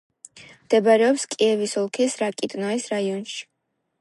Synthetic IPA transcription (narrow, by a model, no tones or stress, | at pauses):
md̪̥ɛbaɾɛɔpskʼiɛvisɔlˠkʰisɾakʼit̪ʼnaisɾaiɔnʃi̥